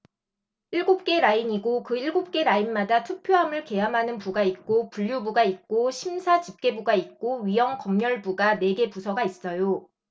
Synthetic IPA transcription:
iɭɡop̚k͈e̞ɾaiɲiɡokɯiɭɡop̚k͈e̞ɾainmadatʰupʰjoɦamɯɭke̞jamɦanɯnpuɡait̚k͈opuʎjubuɡait̚k͈oɕʰimsʰat͡ɕip̚k͈e̞buɡait̚k͈oɥijʌŋkʌmɲʌɭbuɡane̞ɡe̞pusʰʌɡais͈ʌjo

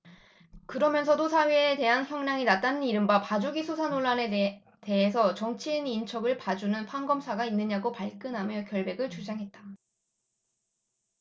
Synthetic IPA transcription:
kɯɾʌmjʌnsʰʌdosʰawiete̞ɦançjʌŋɲaŋinat͈anɯniɾɯmbapad͡ʑuɡisʰusʰanoɭːane | te̞ɦesʰʌt͡ɕʌŋt͡ɕʰiːnint͡ɕʰʌɡɯɭpad͡ʑunɯnpʰanɡʌmsʰaɡainːɯɲaɡopaɭk͈ɯnɦamjʌkjʌɭbe̞ɡɯɭt͡ɕud͡ʑaŋɦet̚t͈a

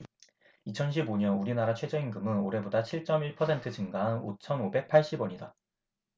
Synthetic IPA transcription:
it͡ɕʰʌnɕ̬ʰiboɲʌnuɾinaɾat͡ɕʰwe̞d͡ʑʌinɡɯmɯnoɾe̞bodat͡ɕʰiɭt͡ɕ͈ʌmiɭpʰʌsʰe̞ntʰɯd͡ʑɯŋɡanot͡ɕʰʌnobe̞k̚pʰaɭɕ͈ibwʌɲida

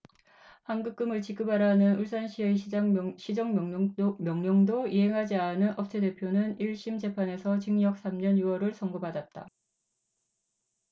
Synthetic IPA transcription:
hanɡɯk̚k͈ɯmɯɭt͡ɕik͈ɯbaɾaɦnɯnuɭs͈anɕʰiɦeiɕʰid͡ʑʌŋmjʌŋɲʌŋdoiɦe̞ŋɦad͡ʑianɯnʔʌp̚t͡ɕʰede̞pʰjonɯniɭɕ͈imd͡ʑe̞pʰane̞sʰʌt͡ɕiŋɲʌk̚s͈ʰamɲʌnjuwʌɾɯɭs͈ʰʌŋɡobadat̚t͈a̰

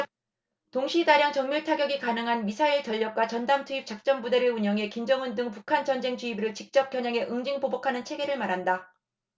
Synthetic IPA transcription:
toŋɕʰidaɾjaŋt͡ɕʌŋmuɭtʰaɡjʌɡikanɯŋɦanmisʰaiɭt͡ɕʌʎːʌk̚k͈wat͡ɕʌndamtʰuip̚t͡ɕ͈ak̚t͡ɕ͈ʌmbude̞ɾɯɭuɲʌŋe̞kimd͡ʑʌŋɯndɯŋpukʰant͡ɕʌnd͡ʑe̞ŋt͡ɕuibɯɾɯɭt͡ɕik̚t͡ɕ͈ʌp̚kjʌɲaŋe̞ʔɯŋd͡ʑiŋpobokʰanɯnt͡ɕʰe̞ɡe̞ɾɯɭmaɾɦanda

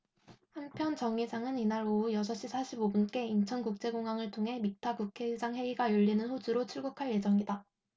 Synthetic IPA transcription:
hampʰjʌnt͡ɕʌŋisʰaŋɯninaɾoujʌsʰʌɕ͈isʰaɕʰibobunk͈e̞int͡ɕʰʌnɡuk̚t͡ɕ͈e̞ɡoŋaŋɯɭtʰoŋɦe̞mitʰakukʰe̞d͡ʑaŋɸe̞iɡajuʎːinɯnɸod͡ʑuɾot͡ɕʰuɭɡukʰaɭje̞d͡ʑʌŋida

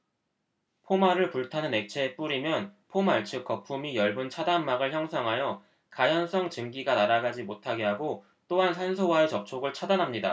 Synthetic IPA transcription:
pʰomaɾɯɭpuɭtʰanɯne̞k̚t͡ɕʰe̞ːp͈uɾimjʌnpʰomaɭt͡ɕʰɯk̚k͈ʌpʰumijʌɭbunt͡ɕʰadanmːaɡɯɭçjʌŋsʰʌŋɦajʌ | kajʌns͈ʰʌŋt͡ɕɯŋɡiɡanaɾaɡad͡ʑimotʰaɡe̞ɦaɡo | t͈oɦansʰansʰowae̞t͡ɕʌp̚t͡ɕʰoɡɯɭt͡ɕʰadanɦamɲida̰

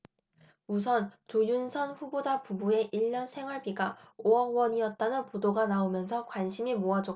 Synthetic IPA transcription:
mus̬ʰʌnt͡ɕojunsʰʌnɸubod͡ʑapubue̞ʔiʎːʌnsʰe̞ŋɦwaɭbiɡaoʌɡwʌɲiʌt̚t͈anɯnpodoɡanaomjʌnsʰʌkwanɕʰimimoɦad͡ʑo

